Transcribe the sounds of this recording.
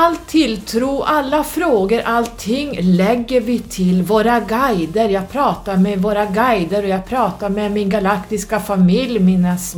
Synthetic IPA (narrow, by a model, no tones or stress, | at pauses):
alt̪ʰːɪlt̪ʰɾuːʔalːafɾoːɡəɾʔalt̪ʰːɪŋːlɛɡːəɾvɪt̪ʰɪlvoːɾaɡajd̪əɾjɑːɡ̚pʰɾɑːt̪aɾmɛvoːɾaɡajd̪əɾɔjɑːɡ̚pʰɾɑːt̪aɾmɛmɪnɡalakt̪ɪskafamɪljmɪnəs